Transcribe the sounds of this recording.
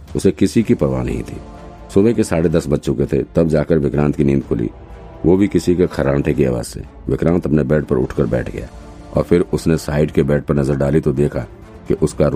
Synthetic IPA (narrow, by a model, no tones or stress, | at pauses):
ʊsekɪsikipɐɾʋa̰ːnɐ̰ɦḭ̃t̪ʰḭː | sʊbɛkesaːɽed̪ɐsbɐtːʃõket̪ʰḛt̪ɐbd͡ʒaːkəɾʋɪkɾãːnt̪kinĩːmd̪kʰʊlḭ | ʋoːbʱikɪsikekʰɐɾãːʈʰekia̰ːʋa̰ːz̥sʰḛː | ʋɪkɾãːnt̪ɐpnebɛːʈpɐɾʊ̰ʈʰkəɾbɛ̰ːʈʰɡɐ̰ja̰ː | ɔ̰ːɾfʰɪɾʊsnesaːɪɖkebɛːʈ̚pɐɾnɐzəɾɖaːlit̪od̪eːkʰa | keʔʊskaɾ